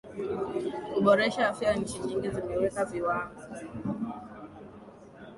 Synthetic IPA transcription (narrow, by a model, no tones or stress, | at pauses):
kuɓɔɾɛʃaːfiaɲ̩t͡ʃiɲiŋɡizimɛwekaviwaːɦɔ